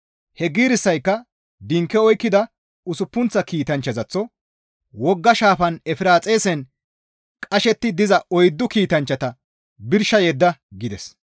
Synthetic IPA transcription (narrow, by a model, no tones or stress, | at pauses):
hɛɡiːɾɪsːɐjkːɐ | d̪ɪŋkːɛɔjkːɪd̪ɐ | ʊsʊpːʊnt͡sːɐkiːt̪ɐnt͡ʃːɐzɐt͡sːɔ | wɔɡːɐʃaːfɐnɛfɪɾaːt͡sʼe̞ːsɛn | kʼɐʃɛt̪ːɪd̪ɪzɐɔjd̪ːʊkiːt̪ɐnt͡ʃːɐt̪ɐ | bɪɾʃɐjɛd̪ːɐɡɪd̪ɛs